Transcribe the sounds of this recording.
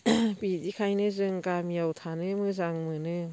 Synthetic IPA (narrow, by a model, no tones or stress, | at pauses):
bidikʰajnɯzɯŋkamiawtʰanɯmɯzaŋmɯnɯ